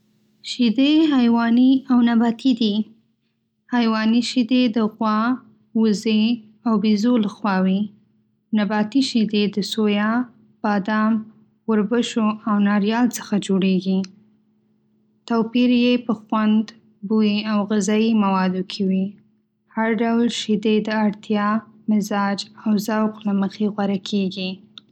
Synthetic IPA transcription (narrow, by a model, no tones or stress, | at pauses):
ʃid̪eɦajwɑniawnabɑt̪ʰid̪i | hajwɑniʃid̪ed̪əɣwɑ | wəze | awbizoləxwɑwi | nabɑt̪iʃid̪ed̪əsojɑ | b̥ɑd̪ɑm | wəɾbəʃoawnɑɾjɑlt͡sə̥xad͡ʒoɽeɡi | t̪apiɾjepəxwand̪ | buiawɣɪzɑimawɑd̪okʰewi | haɾɖawlʃid̪ed̪əaɽt̪ʰjɑmɪzɑd͡ʒawzawqləməxeɣwaɾakʰeɡi